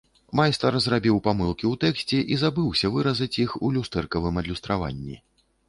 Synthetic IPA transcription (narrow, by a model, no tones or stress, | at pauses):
majst̪ɐrzrabʲiwpamɨlˠkʲiwt̪ɛksʲt͡sʲɛʔizabɨwsʲɐvɨɾɐzɐt͡sʲixulʲust̪ɛrkɐvɨmɐd̪lʲust̪ɾava̰nʲːḭ